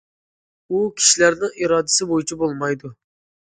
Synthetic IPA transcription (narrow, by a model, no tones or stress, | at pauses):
ukʲʰi̥ʃilæɾnɪŋʔiɾɑːd̪ɪ̥sɪbojit͡ʃʰɛbolˠmɑjd̪u